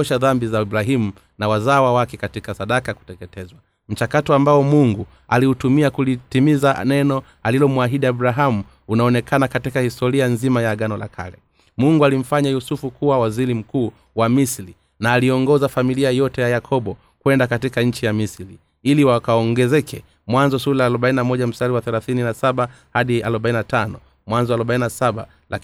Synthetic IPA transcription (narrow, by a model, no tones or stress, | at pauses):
ɔʃaðambizaiɓɾaɦimu | nawazaːwawakɛkatikasaɗakaku̥tɛkɛtɛzwa | m̩t͡ʃakatɔambaɔmuŋɡu | aliutumiakulitimizanɛnɔ | alilɔmuaɦiɗiaɓuɾaɦamu | unaɔnɛkʰanakatikahistɔɾianzimajaɠanɔla̰kʰa̰lɛ | muŋɡualim̩faɲajusufukuwawaziɾim̩kuː | wamisɾi | naːliɔŋɡɔzafamiliajɔtɛjajakʰɔɓɔ | kwɛndakatikaɲ̩t͡ʃijamisɾi | iliwakaɔŋɡɛzɛkʰɛ | mwanzɔsulaːluɓaininamɔʄam̩saɾiwaθɛlaθininasaɓa | haɗialɔɓaininatanɔ | mwanzɔaluɓaininasaɓa̰ | la